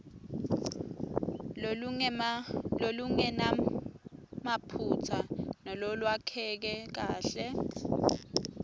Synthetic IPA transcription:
loluŋɛna | mapʰut͡sʰanɔlolwakʰɛk̬ɛk̬aːɬɛ

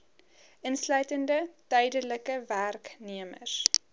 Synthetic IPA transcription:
ʔənslœɥtəndətœjdələkəværkniəmə̰s

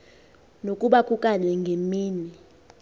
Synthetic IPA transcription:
nokʼuɓakʼukʼalɛŋɡʱemiːni

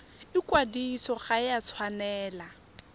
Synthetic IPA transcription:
ɪkwadisɔχajat͡sʰwanɛːla

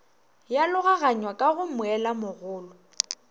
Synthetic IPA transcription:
jalʊɣaɣaɲwakʼaɣʊmʊɛlamʊɣʊːlɔ

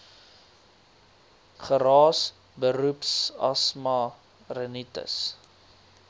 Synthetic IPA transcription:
χəɾɑːs | bəɾupsɐ̰smɐ | rənitə̰s

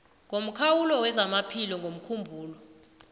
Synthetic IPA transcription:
ŋʱom̩kʰawulɔwɛzamapʰilɔŋɡʱom̩kʰumbʱuːlɔ

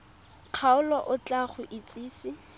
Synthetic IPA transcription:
q͡χʰaʊlɔʔʊt͡ɬʼaχʊʔɪt͡sʼiːsɪ

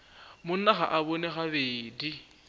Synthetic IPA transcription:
mʊn̩naχaʔaβonɛχaβeːdi

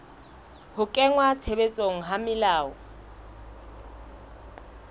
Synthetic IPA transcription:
hʊkʼɛŋwat͡sʰebet͡sʼoŋ̩ɦamɪlaːɔ

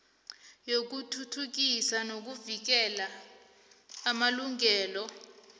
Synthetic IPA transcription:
jok̬utʰutʰuk̬isanok̬uvik̬ɛla | maluŋɛːlɔ

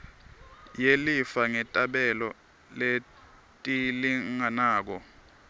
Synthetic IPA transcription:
jelifaŋɛtʼaɓɛlɔ | le | tʼiliŋanaːk̬ɔ

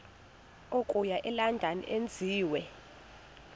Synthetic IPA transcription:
okʼujaʔɛlandʱanḭʔend͡zʱiːwɛ

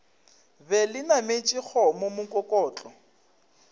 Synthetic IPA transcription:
bɛlɪnamet͡ʃʼik͡xɔmomʊkʼɔkʼɔːt͡ɬʼɔ

